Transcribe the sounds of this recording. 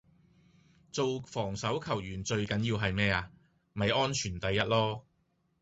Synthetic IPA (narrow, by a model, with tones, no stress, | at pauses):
t͡so˨wfɔː˨˩ŋsɐ˨˥wkʰɐ˨˩wjyː˨˩nt͡ʃɵ˧ɥkɐ˨˥njiː˧wɦɐ˨jmɛː˥aː˧ | mɐ˨jɔː˥nt͡ʃʰyː˨˩nt̪ɐ˨˧jːɐ˥t̚lɔː˥